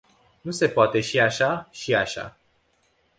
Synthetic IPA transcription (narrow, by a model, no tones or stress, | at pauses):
nuse̞poat̪e̞ʃiaʃaʃiaʃa̰